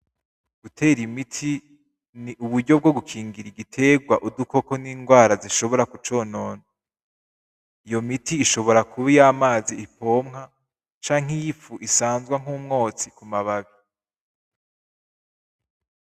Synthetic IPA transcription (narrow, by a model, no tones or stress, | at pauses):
ɡ̥utʰe̞ːɾimitʰi | niʔuβudɟo̞b̚ɡo̞ɡukʰiːŋɡiɾiɡitʰe̞ːɡwaʔuduko̞ko̞niːŋɡwaːɾaziʃo̞βo̞ɾakut͡ʃo̞ːno̞ːno | ijo̞mitiːʃo̞βo̞ɾakʰuβijaːmaːziːpo̞ːmŋa | t͡ʃaːŋ̥ijifuʔisaːnzɡwaŋ̥uːmŋo̞ːt͡sikumaβaβi